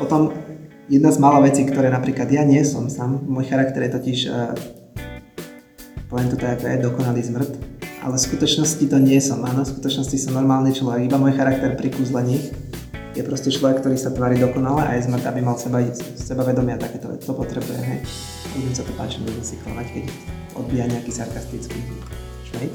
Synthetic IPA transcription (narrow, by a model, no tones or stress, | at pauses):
pɔt̪ɔm | jɛd̪nazmalaʋɛt͡siːkt̪ɔɾɛːnapɾiːklad̪jaɲɪɛsɔ̰msaːmːɔjxaɾak̚t̪ɛɾjɛt̪ɔciʃ | pɔʋɛnt̪ut̪ɛat̪ːɛ̰d̪ɔkɔnaliːzmr̩t̪ʔa̰lɛfskut̪ɔt͡ʃnɔscit̪ɔɲɪɛsɔmʔa̰ːnɔfskut̪ɔt͡ʃnɔscisɔmnɔɾmaːlnit͡ʃlɔʋɛɡibamɔjxaɾak̚t̪ɛɾpɾikuːzlɛɲiːxjɛpɾɔscɛt͡ʃlɔʋɛkt̪ɔɾiːsat̪ʋaːɾiːd̪ɔkɔnalɛʔa̰jɛzmr̩t̪abimalsɛbaisɛbaʋɛd̪ɔmɪat̪akɛːt̪ɔʋɛ̰t̪ɔpɔt̪ɾɛbujɛ̰ɦɛj | abudimsat̪ɔpa̰ːt͡ʃimɛzmɛsikɔnackɛc | ɔ̰d̪̚biːjaɲɛakiːsaɾkast̪it͡ski | ʃɛj